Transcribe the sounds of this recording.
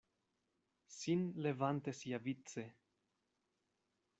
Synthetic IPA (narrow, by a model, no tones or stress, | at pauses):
sinle̞vant̪e̞siavit͡se̞